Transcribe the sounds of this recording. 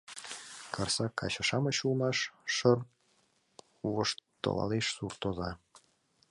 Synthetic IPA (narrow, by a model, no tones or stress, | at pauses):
kʰɤrsɑkʰɑɕɑ̆ʃɑmə̆ɕulmɑʃːɤr | uoʃt̪ːo̰lɑ̰leʃsurt̪ozɑ